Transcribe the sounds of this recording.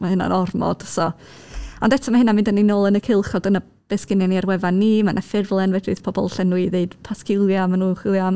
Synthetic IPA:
mahɨna̰nɔrmɔ̰d̥sɔ | ɔndɛtʰɔmahɦɪnamɪndəninoːlˠənəkʰɪlˠχɔdəna | b̥ɛskɪnjaniarwɛvanːimanʔafɪrvlˠɛnvɛdɨ̰ð̥pʰɔbɔlˠɬɛnwɨðeɨd̥pʰaskɪlˠjamanuːχɪlˠjam

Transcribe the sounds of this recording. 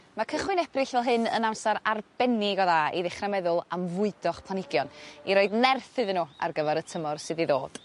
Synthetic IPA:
makʰəχwɪnɛbrɪɬvɛlˠɦɨnə̰namsaɾarbɛnɪɡɔðaiðɪχramɛðʊlˠamvʊɨdɔχpʰlˠanɪɡjɔniɾoɨdnɛrθɨðnuːa̰rɡəvɛɾətʰəmɔrsɨðiðo̰ːd̥

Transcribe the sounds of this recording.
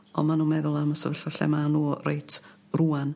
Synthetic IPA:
ɔ̰manuːmɛðʊlˠaməsəvəɬəɬɛ̰manuːrḛjtʰ | ruːan

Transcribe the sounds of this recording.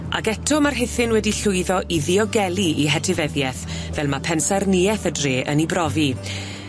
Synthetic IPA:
a̰kɛtʰɔmarɦɪθɪnwɛdiɬʊɨðɔʔiðɪɔɡɛlˠiiɦɛtʰɪvɛðjɛθ | vɛlˠmapʰɛnsarniːɛθədreːʔənibrɔvi

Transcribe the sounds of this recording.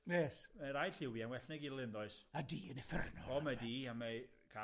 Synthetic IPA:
nɛsmɛɾajɬɪwianwɛɬnɛɡɪlˠɪnðɔɨsadiːənɛfərnɔɔmadiːama | kʰa

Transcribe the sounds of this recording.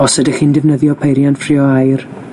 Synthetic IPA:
ɔsɛdəxindɛvnəðjɔpʰejɾjanfrɪɔajr

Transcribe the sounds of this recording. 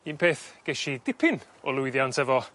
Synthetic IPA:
iːnpʰeːθɡ̥ɛʃidɪpʰɪn | ɔlˠʊɨðjantʰɛvɔ

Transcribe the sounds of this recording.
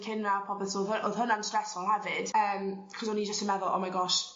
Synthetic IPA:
kʰɪnːapʰɔpɛtʰoːðʔoðɦʊnansɛsɔlˠhɛvɨd̥əːmkʰɔzɔnid͡ʒəstəmɛðʊlˠɔ̰majɡɔʃ

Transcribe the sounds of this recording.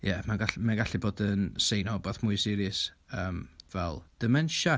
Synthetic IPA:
jɛmaɡamanɡaɬɨboːdənsejnɔbɔθmʊɨsɪɾɨs | əːmvɛlˠd̥əmɛnʃa

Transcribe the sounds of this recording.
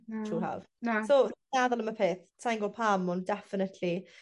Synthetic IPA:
tʰuːha̰v̥nasonɛðɔlˠəməpʰeːθtʰajnɡɔpʰamɔndɛfɪnətʰli

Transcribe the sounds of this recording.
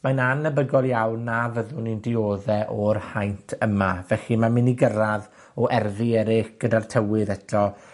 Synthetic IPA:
majnanːəbəɡɔlˠjawnːavəðʊnindɪoːðɛʔɔrhajntʰəmavɛɬimamɪniɡəɾað | ɔʔɛrvɪɛɾɪxɡ̥ədartʰəwɪðɛtʰɔ

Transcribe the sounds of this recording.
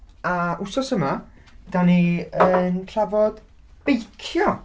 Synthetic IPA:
aʔʊsɔsəma | d̥aniənɬʰavɔd̥ | b̥ejkʰjɔ

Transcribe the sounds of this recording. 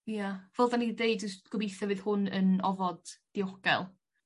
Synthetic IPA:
javɛlˠðanidejdd͡ʒəstɡ̥ɔbejθɔvɪð̥hʊnə̰nɔvɔd̥ː | iɔɡ̥ɛ̰lˠ

